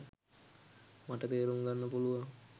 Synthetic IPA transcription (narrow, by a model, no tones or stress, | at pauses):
maʈət̪eːɾumɡanːəpuluʋaŋ